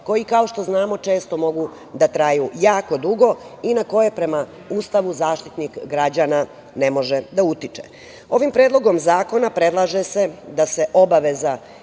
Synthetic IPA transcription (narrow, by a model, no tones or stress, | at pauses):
ko̞jikao̞ʃt̪o̞znaːmo̞t͡ʃe̞ːst̪o̞mo̞ɡu | d̪at̪ɾajujaːko̞d̪uɡo̞inako̞je̞pɾe̞ma | uːst̪aʋuzaːʃt̪it̪nikɡɾad͡ʑana | nemo̞ʒed̪aut̪it͡ʂḛ | o̞ʋimpɾeːd̪lo̞ɡo̞mzaːko̞napɾe̞d̪lˠaʒesed̪ase̞ʔo̞baʋeza